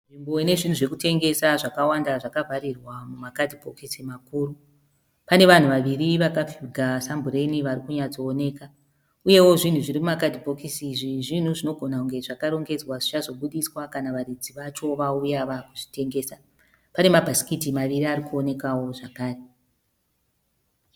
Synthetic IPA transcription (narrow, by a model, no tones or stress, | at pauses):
ʐimbo̞ine̞ʐin̤uʐekute̞ŋɡe̞saʐakawandaʐakavʱarirwamumakadʱipo̞kisimakuːru | pane̞ʋan̤uʋaʋiriʋakafuɡʱasambure̞niʋaɾikuɲad͡zo̞ːne̞ːka | uje̞wo̞ʐin̤uʐirimumakadʱibʱo̞kisiʐiʐin̤uʐino̞ɡʱo̞nakuŋɡe̞ʐakaɾo̞ŋɡe̞d͡zwaʐit͡ʃazo̞ɓuɗiswakanaʋaɾid͡ziʋat͡ʃo̞ʋaujaʋakuʐi̥te̞ŋɡe̞ːsa | pane̞mabʱasi̥kitimaʋiɾiaɾikuone̞kawo̞ʐakaːre